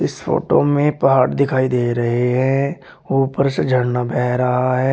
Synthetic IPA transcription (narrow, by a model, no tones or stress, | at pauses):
ɪsfo̰ːʈomẽpɐɦaːɽd̪ɪkʰaːid̪eːɾɐɦeɦɛ̃ | uːpəɾsəd͡ʒʱəɽnabʱɛːɾɐɦaaɦɛː